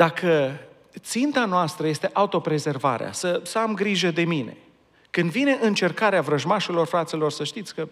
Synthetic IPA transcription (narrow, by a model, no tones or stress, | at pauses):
d̪̥akʰə | t̪sint̪anoast̪ɾəje̞st̪e̞ʔaut̪o̞pɾe̞ze̞rva̰ɾḛa̰səsəamɡɾiʒəd̪e̞mine̞̰ | kɨnd̪vine̞ʔɨnt͡ʃe̞rkaɾeavɾəʒmaʃelo̞rfɾat̪silo̞rsəʃt̪it̪sʲkə